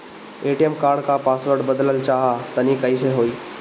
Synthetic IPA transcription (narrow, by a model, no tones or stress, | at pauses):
eːʈijəmkaːɾɖkapaːsʋəɾɖbəd̪ləlt͡ʃaːɦat̪ənikəis̬eɦoːiː